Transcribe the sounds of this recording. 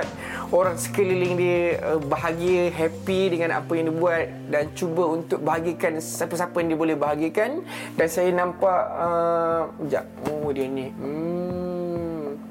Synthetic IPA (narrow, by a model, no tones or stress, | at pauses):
t̪̚ | oɾaŋsə̥kəlilɪŋdiəəbaɦaɡiəɦɛpidəŋãna̰pajaŋdibuat̪̚dant͡ʃubəunt̪ʊk̚bəɦaɡiakansapəsapəjaŋdiəbolɛhbaɦaɡəkan | dansajanãmpaʔə | d͡ʒa̰ʔodiənĩ